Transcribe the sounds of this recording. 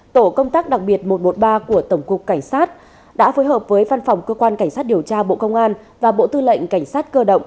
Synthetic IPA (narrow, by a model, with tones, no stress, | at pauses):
t̪o˧˩kə˧wŋ͡mt̪aː˦˥k̚ɗa˨˩k̚ɓi˨˩ət̚mo˨˩t̚mo˨˩t̚ɓaː˧ku˧˩ət̪ə˧˩wŋ͡mkʊ˨˩k͡p̚ka˧˩jŋ̟saː˦˥t̚ | ɗa̰ː˧˥foː˨˦jɦəː˨˩p̚vəː˨˦jva˧nfa˨˩wŋ͡mkəː˧kwaː˧nka˧˩jŋ̟saː˦˥t̚ɗi˨˩əwt͡ɕaː˧ɓo̰˧˨kə˧wŋ͡mʔaː˧n | vaː˨˩ɓo̰˧˨t̪ɨ˧lə̰˧˨jŋ̟ka˧˩jŋ̟saː˦˥t̚kəː˧ɗə̰˧˨wŋ͡m